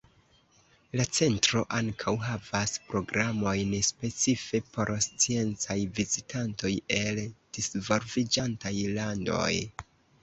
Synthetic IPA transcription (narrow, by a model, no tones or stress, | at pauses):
lat͡se̞ntɾo̞ʔaŋkʰawɦavaspɾo̞ɡɾamo̞jnspe̞t͡sife̞pʰo̞ɾst͡sie̞nt͡sajvizitanto̞je̞ld̥isvo̞lvid͡ʒantajlando̞̰j